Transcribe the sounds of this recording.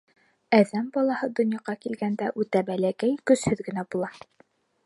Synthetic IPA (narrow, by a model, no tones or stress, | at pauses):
æðæmbɒlˠɑhɤd̪ŏnjɑʁɑkilɡænd̪æʔʉt̪æbælækæjkɵ̆shɵðɡɘ̆næbulˠɑ